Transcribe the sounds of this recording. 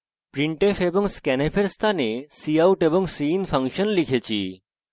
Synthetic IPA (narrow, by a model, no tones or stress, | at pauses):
pɾiɳʈefeboŋskɛnepʰeɾst̪ʰanesiawʈeboŋsinpʰaŋʃonlikʰet͡ɕʰḭ